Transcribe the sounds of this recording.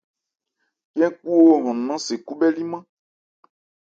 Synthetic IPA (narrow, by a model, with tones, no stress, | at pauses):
kɛ̃˦ku˦wo˦ɦɔ̃˨nũ˨nã˦se˨ku˦bɛ˦li˦mã˦